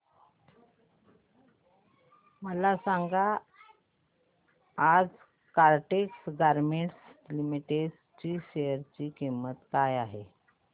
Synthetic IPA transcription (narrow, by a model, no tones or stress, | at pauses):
məlasaŋɡa | d͡z | kaɾʈeksɡaɾmeɳʈslimiʈeɖ | t͡ɕiːɕejəɾt͡ɕiːkimət̪kajaɦe